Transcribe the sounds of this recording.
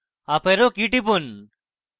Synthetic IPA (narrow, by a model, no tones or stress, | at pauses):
apeɾokiʈipun